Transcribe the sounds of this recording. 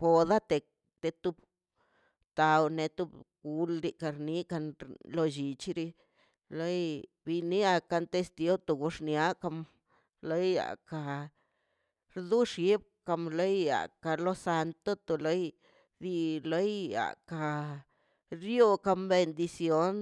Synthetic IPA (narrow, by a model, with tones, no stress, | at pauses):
po˨d̪a˦t̪e˨ | t̪e˧t̪u˦b | t̪a˨wne˧t̪u˦bɡu˧lɾi˧ka˧ɾni˦ka˧nlo˧d͡ʒi˧˨t͡ʃɾi˧ | lo˦j | bi˧ni˦a˧ka˧nt̪e˧st̪i˧o˦t̪o˧ɡu˧ʂnja˦ka˧m | lo˦ja̰˨ka˧ | ɾd̪u˦ʂji˦b̚ka˧mlo˦ja̰˨ka˧lo˦sa˧nt̪o˦t̪o˨lo˦j | d̪i˧lo˦ja̰˨ka˧ | ɾjo˧ka˧mbe˧nd̪i˧sjo˦n